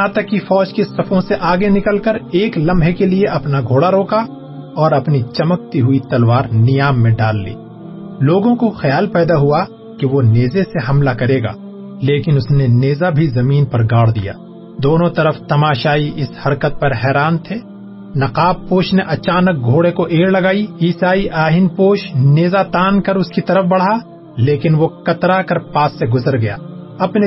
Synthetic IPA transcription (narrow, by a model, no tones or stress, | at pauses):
ãːt̪ɐkːifɔːd͡ʒkesɐfʰõseʔaːɡenɪkəlkɐɾeːklɐ̃mbʱɦekelieʔɐpnaɡʱoːɽaɾoːka | ɔːɾɐpnit͡ʃɐmək̚t̪iɦʊit̪ɐlwaːɾnɪjaːmːẽɖaːlːḭː | loːɡõkoxɐjaːlpɛːd̪aɦua | keʋoneːzeseɦɐmlakɐɾeːɡa̰ː | leːkɪnʊsneneːzabʱizɐmiːnpɐɾɡaːɽd̪ḭja̰ː | d̪oːnõt̪ɐɾəft̪ɐmaːʃaːiʔɪshɐɾkət̪̚pɐɾɦɛːɾaːnt̪ʰeː | nɐqaːb̚poːʃneʔɐt͡ʃaːnək̚ɡʱoːɽekoʔeːɽlɐɡaːiiːsaːiʔaːɦɪnpoːʃneːzat̪aːnkɐɾʊskit̪ɐɾəfbɐɽ̤a | leːkɪnʋokɐt̪ɾakɐɾpaːsːeɡʊzəɾɡɐja̰ːɐpne